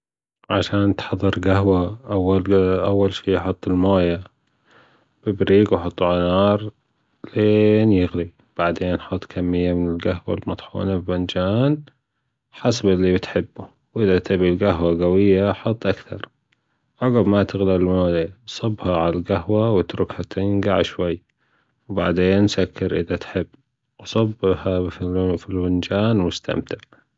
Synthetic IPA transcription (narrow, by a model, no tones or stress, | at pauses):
ʕaʃaːnt̪ħɑðˤːɨɾɡaɦwaʔawːalʔawːalʃiːħʊt̪ˤːɪlmaːja | b̥ɪbɾiːɡwħʊt̪ˤːʕʊnɑːɾˤ | leːnjɪɣli | b̥aʕd̪eːnħɑt̪ˤːkʰamːɪjːamɪnɪlɡaɦwa̰lmɑt̪ˤħṵːnabband͡ʒaːn | ħasabʔɪlːibɪt̪ħɪbːu | wʔɪðat̪ʰɪbilɡaɦwaɡawɪjːaħɑt̪ˤːʔakθɑɾˤ | ʔɑɣabmat̪ɪɣlalmalesˤɑbːhaʕalalɡaɦwawɪt̪ɾʊkhat̪ʰɪŋɡaʕʃwajː | wba̰ʕd̪eːnːsakːɪɾʔɪðat̪ħɪbː | wsˤɑbːhafilwɪnd͡ʒaːnwɪst̪ʰa̰mt̪ɪʕ